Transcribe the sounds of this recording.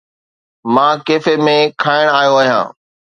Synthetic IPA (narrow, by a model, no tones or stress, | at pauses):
mãːkeːfemẽkʰaːɪɽ̃aːjoaːɦijã̰ː